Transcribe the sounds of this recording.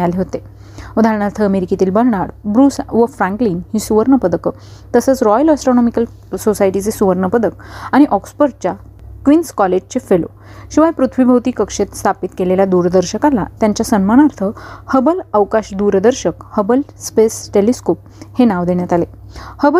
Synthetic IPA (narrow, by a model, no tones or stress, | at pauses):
aleɦot̪e | ud̪ʱaɾəɳ̃aɾt̪ʰəːmeɾikit̪iːlbəɽɳaɽbɾuːsʋəfɾãŋklinhiːsuʋəɾɳəpəd̪əkə | t̪əsət͡sɾɔjələsʈɾonɔmikəl | sosajʈit͡sesuʋəɾnəpəd̪ək̚aɽ̃iʔɔksfəɾɖ̚t͡ɕja | kʋinskɔled͡ʑt͡ɕefelo̰ | ɕiʋajpɾut̪ʰʋibʱəʋt̪iːkəkʂet̪st̪ʰapit̪keleljad̪uɾd̪əɾɕəkalat̪jaɲt͡ɕjasənməɽ̃aɾt̪ʰəhəbələwkaɕd̪uɾd̪əɾɕəkhəbəlspesʈeliskop̚henaʋd̪eɳjat̪alehəbə